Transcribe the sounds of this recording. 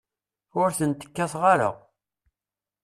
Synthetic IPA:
ʊɾθənt̪ə̥kːæθʁaɾə̰ʁ

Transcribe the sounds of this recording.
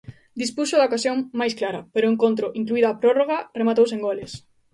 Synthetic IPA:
d̪ispuʃʊðɐokasjoŋmajsklaɾɐpeɾʊeŋkont̪ɾʊʔiŋkluiðoapɾoroɣ̞ɐremat̪owseŋɡoles

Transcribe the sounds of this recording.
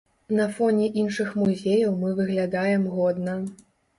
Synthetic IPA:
nɐfɔnʲɛʔinʂɨxmuzʲejɐwmɨvɨɣlʲad̪ajɛmɣɔd̪nɐ

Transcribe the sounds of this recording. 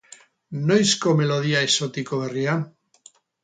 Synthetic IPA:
nojskomeloð̞iaesot̪ikoβeria

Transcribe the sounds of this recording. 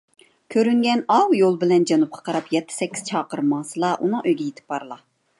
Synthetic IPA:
kʲʰøɾyŋɡʲɛnɑwjolˠbɪlɛnd͡ʒɑnup̚qʰɑ̥qʰɑɾɑpjɛt̪ʰːɪ̥sɛkʲːiz̥t͡ʃʰɑːqəɾmɑːsɨlˠɑʔunɨŋøjɡʲɛjet̪ʰɪ̥p̚bɑɾlˠɑ

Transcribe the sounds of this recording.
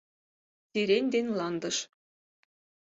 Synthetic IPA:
t͡sʲiɾenʲd̪enʲlˠɑnd̪ɤ̆ʃ

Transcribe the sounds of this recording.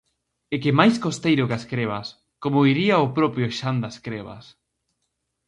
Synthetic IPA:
ɪkɪmajskost̪ejɾʊkaskɾeβ̞as | komoiɾiaopɾɔpɾjʊʃand̪askɾeβa̰s

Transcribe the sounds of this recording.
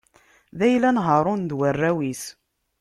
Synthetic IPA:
ðæjlænɦəɾˤʊnd̪wərːæwis

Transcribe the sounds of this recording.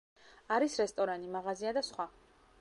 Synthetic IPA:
aɾisɾɛst̪ʼɔɾanimaʁaziad̪asχwa

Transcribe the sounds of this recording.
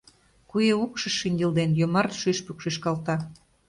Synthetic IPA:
kujeukʃɤ̆ʃinʲd̪ʲeld̪enjomɑrt̪ʃyʃpykʃeʃkɑlt̪ɑ

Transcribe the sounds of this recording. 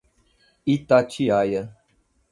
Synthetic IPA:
it̪at͡ʃiajə

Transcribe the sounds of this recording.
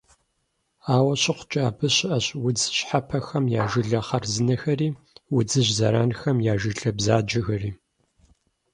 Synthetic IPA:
aːwɐɕɪqʷʊ̥t͡ʃʼaːbɨɕɪʔɐɕwʊd͡zɕħapʰɐxɐmjaːʒɪɮɐχɐrzɨnɐxɐriː | wʊd͡zɨʑzɐ̰ɾaːnxɐmjaːʒɪɬɐbzaːd͡ʒɐɣɐriː

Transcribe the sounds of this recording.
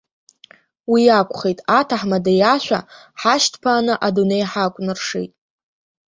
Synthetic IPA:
wiakʷʰʼχejtʼatʰaħmadajaʃʷᶣa̰ | ħaʃtʰpʰaːnɨʔadunejħakʷʼnɨrʂḛjtʼ

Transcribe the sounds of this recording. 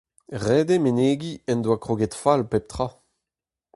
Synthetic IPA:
ʁɛdemeneːɡiɛnd̪wakχoɡɛtfalpɛp̚t̪χa

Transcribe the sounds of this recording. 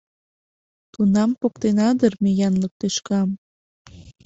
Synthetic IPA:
t̪unɑmpok̚t̪enɑd̪ərmejɑnlək̚t̪eʃkɑm

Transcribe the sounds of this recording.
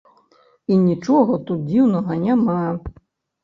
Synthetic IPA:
inʲit͡ʂɔɣɐt̪ut̪̚d͡zʲiwnɐɣɐnʲama

